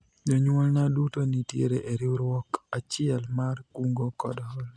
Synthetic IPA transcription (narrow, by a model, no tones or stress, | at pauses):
d͡ʒoɲwolnadutonitjḛɾeʔeɾiɾwɔkat͡ʃɪɛlmarkuŋɡokɔ̰dɔɔl